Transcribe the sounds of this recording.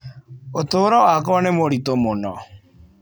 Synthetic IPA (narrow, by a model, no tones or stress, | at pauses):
ot̪oːɾɔakɔɔnemoɾitomonɔ̰